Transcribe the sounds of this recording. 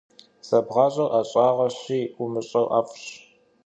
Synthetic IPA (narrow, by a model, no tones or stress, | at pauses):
sɐbʁɑːɕʼɐwʔaɕʼɑːʁɐɕiːumɨɕʼɐwʔaːfɕ